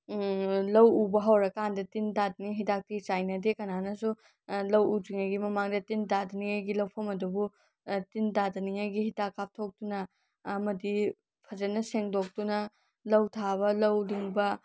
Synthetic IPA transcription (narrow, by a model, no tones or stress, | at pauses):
lɐwubɐɦɐwɾɐkandɐtindadɐniŋɦitak̚tit͡ʃajnɐdekɐnanɐsu | lɐwuziŋɐjɡimɐmaŋdɐtindadɐniŋɐjɡilɐwpʰɐmɐdubu | tindadɐniŋɐjɡihitakːap̚tʰok̚tunɐː | mɐdi | pʰɐzɐnɐseŋdok̚tunɐ | lɐwtʰaβɐlɐwliŋbɐ